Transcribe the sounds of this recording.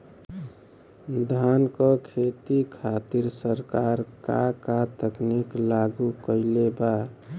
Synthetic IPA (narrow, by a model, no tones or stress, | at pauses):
d̪ʱankɔkʰet̪ikʰat̪iɾsəɾkaɾkakat̪əkniklaɡukəɪleba